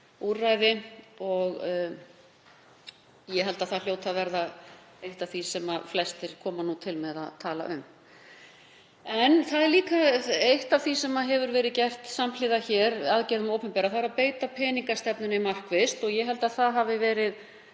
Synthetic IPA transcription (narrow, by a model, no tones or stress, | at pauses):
urajðɪɔɣ | jɛɦɛlt̪aðθal̥joːwt̪ʰaðvɛɾða | ejht̪avθisɛmaflɛst̪ɪɾ̥kʰɔːmanut̪ʰɪlmɛða̰ðt̪ʰaːla̰ʔʏ̰m | ɛnθaðɛɾliːkaejht̪aθvisɛmaɦɛvʏɾvɛːɾɪðcɛr̥t̪samlɪːðaçɛɾaðcɛɾðʏmowpʏmpɛːɾaθaɾapeːjt̪apʰɛːniŋkast̪ɛpnʏnamar̥kvɪst̪ɔɣjɛɦɛlt̪aðθaðɦavɪvɛːɾɪð